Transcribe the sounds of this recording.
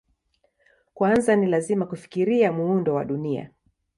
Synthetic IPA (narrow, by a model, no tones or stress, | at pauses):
kwanzanilazimakufi̥kiɾiamuundɔwaɗunia̰